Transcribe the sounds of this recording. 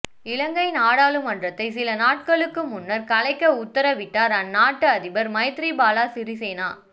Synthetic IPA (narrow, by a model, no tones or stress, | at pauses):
ɪlɐŋɡɐɪnaːɽaːlɯmɐndrɐt̪ːɐɪsɪlɐnaːʈ̚kɐɭɯkːɯmʊnːɐɾkɐlɐɪkːɐʊt̪ːɐɾɐʋɪʈːaːɾɐnːaːʈːɯɐðɪbɐɾmɐɪt̪ɾibaːlaːsɪɾisɛjnaː